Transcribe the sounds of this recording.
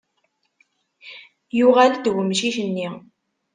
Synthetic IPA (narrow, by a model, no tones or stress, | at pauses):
juʁald̪wəmʃiçənːi